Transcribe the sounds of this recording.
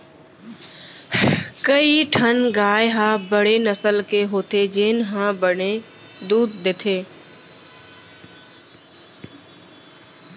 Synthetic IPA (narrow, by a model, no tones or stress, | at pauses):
kɐiʈʰɐnɡaːjɪɦãbɐɽ̤enɐsəlkeɦoːt̪ʰed͡ʒɪːnɦãːbəɳe | d̪uːd̪̚ːɪt̪ʰeː